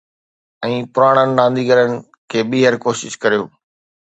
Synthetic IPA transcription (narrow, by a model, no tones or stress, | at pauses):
ɛ̃ːpʊɾaːɽ̃ənɪ̆ɗãːn̆d̪ʱiɡəɾənɪ̆ | kʰeːɓiːɦəɾkoːʃɪʃkɐɾijoː